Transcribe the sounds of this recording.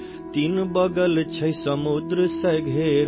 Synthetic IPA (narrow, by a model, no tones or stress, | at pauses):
t̪inbəɡəlt͡ʃʰɐjsəmud̪ɾəsəjɡʱeɾ